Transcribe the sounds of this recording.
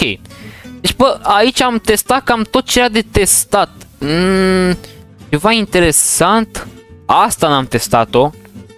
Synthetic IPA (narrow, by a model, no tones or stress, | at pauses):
okʲḛjd̪et͡ʃʲbəait͡ʃʲamt̪e̞st̪at̪̚kamt̪o̞t̪̚t͡ʃejad̪e̞t̪e̞st̪at̪ | t͡ʃe̞vaint̪e̞ɾe̞sant̪ast̪anamt̪e̞st̪at̪o̞